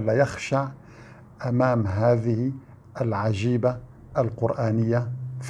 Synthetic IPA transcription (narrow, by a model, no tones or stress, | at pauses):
lːajaxʃaʕ | ʔamaːmɦaːðɪhi | ʔalʕaʒiːba | ʔalqʊɾʔaːnɪjːaf